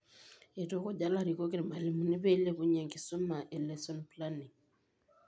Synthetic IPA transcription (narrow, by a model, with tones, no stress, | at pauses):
e˨to˦ko˨ɟa˦la˦˨ɾi˨ko˦ke˦ɾma˨li˨mu˨ni˦βe˦le˦βu˦ɲa˨ŋki˨su˦ma˨ʔe˨le˨so˦npla˦ni˨ŋ